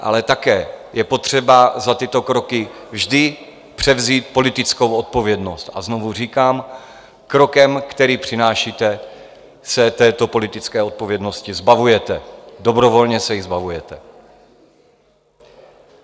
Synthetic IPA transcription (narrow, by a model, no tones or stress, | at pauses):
ʔa̰lɛt̪akɛːjɛpo̞t̪r̝̥ɛbazat̪ɪt̪o̞kɾo̞kɪvʒdɪ | pr̝̥ɛvziːt̪̚po̞lɪt̪ɪt͡sko̞wo̞t̪̚po̞vjɛdno̞st̪a̰znovur̝iːkaːm | kɾo̞kɛmkt̪ɛɾiːpr̝̥ɪnaːʃiːt̪ɛ | sɛt̪ɛːt̪o̞po̞lɪt̪ɪt͡skɛːo̞t̪̚po̞vjɛdno̞scɪzbavujɛt̪ɛdo̞bɾo̞vo̞lɲɛsɛjɪzbavujɛt̪ɛ